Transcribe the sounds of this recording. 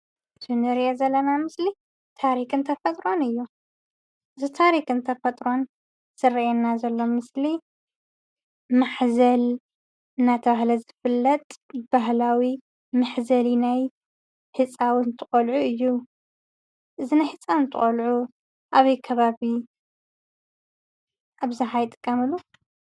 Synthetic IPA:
tʰɨnɨɾiʔezɐlːɐnamɨsli | t̪ʰaɾikɨnt̪ʰɐfɐt̪ʼɾo̞nɨjːu | ʔɨzit̪ʰaɾikɨnt̪ʰɐfɐt̪ʼɾo̞n | sɨriʔenːazɐlːo̞mːɨsli | maħzɐl | ɨnːat̪ʰɐβahlɐzɨfɨlːɐt̪ʼb̥aɦlawi | maħzɐlinaj | hɨt͡sʼawnt̪ʰɨχʼɐlʕuɨjːu | ʔɨzinajħɨt͡sʼawnt̪ʰɨχʼolʕu | ʔaβɐjkʰɐβaβi | ʔaβzaħajɪt̪ʼɨ̥kʼːɐmɨlːu

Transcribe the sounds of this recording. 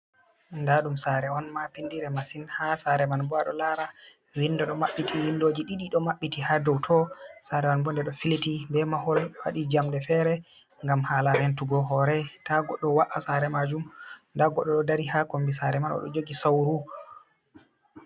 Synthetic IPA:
ndaɗumsaɾɛɔnmapindiɾɛmasinhasaɾɛmanbɔaɗɔlaɾa | winːdɔɗɔmaɓːitʰiwindod͡ʒiɗiɗiɗɔmaɓːitihadɔwtʰɔsaɾɛmanbɔndɛɗɔfilitibɛmahɔlwa̰ɗid͡ʒamdɛfɛɾɛ | ŋɡamhaːlaɾɛntuɡɔɦɔɾɛtaɡɔɗːɔwaʔasaɾɛmad͡ʒumndaɡɔɗːɔɗɔdaɾihakombisaɾɛmanɔ̰ɗɔ̰d͡ʒoɡisawɾu

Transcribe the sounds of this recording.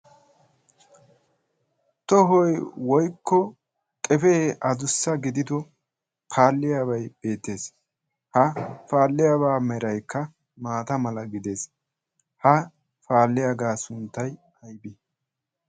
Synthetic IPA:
t̪ɔɦɔjwɔjkːɔ | kʼɛfeʔɐd̪ʊsːɐɡɪd̪ɪd̪ɔ | pʰaːlːɪjaːbɐjb̥e̞ːt̪ːe̞ːs | hɐfaːlːɪjabaːmɛɾɐjkːɐ | maːt̪ɐmɐlɐɡɪd̪e̞ːs | hɐ | faːlːɪjaɡaːsʊnt̪ːɐj | ɐjbɪ

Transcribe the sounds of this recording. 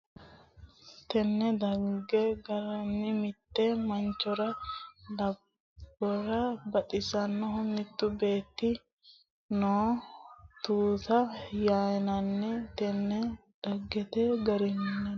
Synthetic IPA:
t̪ɛnːɛd̪ɐɡːɛɡɐɾɐnːɪmɪt̪ːɛmɐnt͡ʃːɔɾɐlɐb | bːɔɾɐbɐt̪ʼɪsɐnːɔɦʊnːɪt̪ːʊbe̞ːt̪ːɪ | noː | t̪uːtɐjaːjnɐnːɛt̪ɛnːɛ | d̪̥ɐɡːɛt̪ɛɡɐɾɪmnɛ

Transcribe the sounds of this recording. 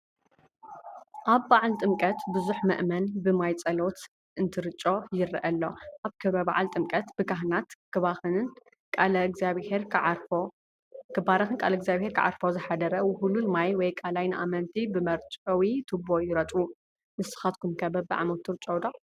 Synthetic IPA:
ʔaβːaʕlt̪ʼɨmkʼɐt̪bɨzuħmɨ̰ʔmɐnbɨmajt͡sʼɐlot̪ | ʔɨnt̪ʰɨɾɨt͡ʃʼo̞jɪɾʔɐlːo̞̰ʔaβkʰɐβɐba̰ʕalt̪ʼɨmkʼɐt̪bɨkʰaɦnat̪kʰɨβaxɨnn | kʼalɐɡzaβeɾo | kʰɨbaɾɐxɨnkʼalɐɡzaβheɾkʰɨ̰ʕa̰ɾfozɨħad̪ɐɾɐwɨhululmajwɔjkʼalajnɨʔa̰mɐnt̪ʰibɨmɐɾt͡ʃʼɐwit̪ʰɨbojɪɾɐt̪ʼu | mɨsɨ̥xat̪̚kʰumkʰɐbɐbɨʕa̰mot̪ʰːɨɾɨt͡ʃʼowd̪a

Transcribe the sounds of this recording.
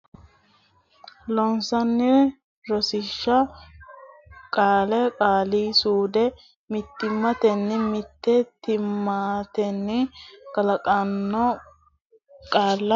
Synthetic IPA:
lɔnsɐnːɪ | ɾɔsɪʃːɐ | kʼaːlɛkʼaːliːsuːd̪ɛ | mɪt̪ːɪmːɐt̪ɛnːɪmɪt̪ːɛt̪ɪmːaːt̪ɛnːɪkʼɐlɐkʼɐnːɔ | kʼaːlːɐ

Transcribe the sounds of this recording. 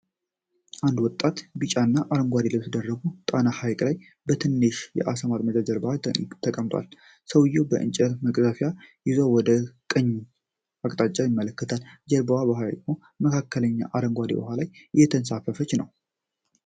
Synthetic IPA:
ʔand̪wɔt̪ʼːat̪bɨt͡ʃʼanːaʔaɾəŋɡʷad̪ilɨmsɨd̪ərːəɡut̪ʼanahajkʼlaj | bət̪ʰɨnːɨʃjɛ̰ʔasəmaɾməd͡ʒad͡ʒəɾbəhat̪ʰəkʼəmt̪ʼwa̰l | səwɨjɛwbəʔɨ̰nt͡ʃʼəməkʼzafjajɪzowɔd̪əkʼəɲː | akʼt̪ʼat͡ʃʼajɪmːələkːət̪ʰald͡ʒəɾbəwabəɦajkmo | məkʰakʰːələɲːa̰ʔaɾəŋɡʷad̪ḭbə̰ɦalajɨjːɛt̪ʰənsafəfət͡ʃːnəw

